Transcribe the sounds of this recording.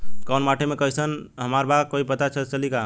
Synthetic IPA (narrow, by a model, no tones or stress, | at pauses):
kanmaʈʰemekəɦisənɦəmaɾbakoipət̪at͡ʃʰət͡ʃəlika